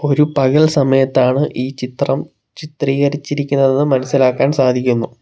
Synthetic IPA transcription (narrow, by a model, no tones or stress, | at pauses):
o̞ɾupɐɣɐɭsɐmɐjɐt̪ːaːɳɨʔiːt͡ɕit̪rɐm | t͡ɕit̪riːɣɐrit͡ɕːiɾikʲːunːɐðenːɨmɐnɐsːilaːkːaːnsaːd̪ʱikʲːunːu